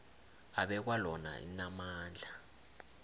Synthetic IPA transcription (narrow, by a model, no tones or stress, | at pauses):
aɓɛk̬walɔna̰ḭnamaːnd͡ɮʱa